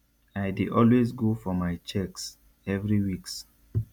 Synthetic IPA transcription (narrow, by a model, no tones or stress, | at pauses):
aɪdiʔɔlwezɡofɔmaɪt͡ʃɛks | ɛvɹiwiks